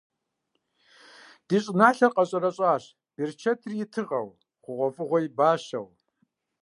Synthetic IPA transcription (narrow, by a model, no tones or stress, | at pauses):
d̥iːɕʼɪnaːɬɐrqʼɐɕʼɐɾɐɕʼaːɕ | b̥ert͡ʃʰɐtʰrjɪtʰɨʁʼɐ̰w | ʁʷʊʁʷɔfʼɨʁʷɔjibaːɕɐ̰w